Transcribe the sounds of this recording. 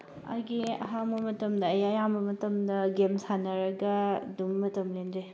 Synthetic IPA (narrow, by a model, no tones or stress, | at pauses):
ɐ̰ɾɡiɐ̰ɦambɐmɐtɐmdɐːjajambɐmɐtɐmdɐɡemsanɐɾɐɡɐdumːɐtɐmlendɾe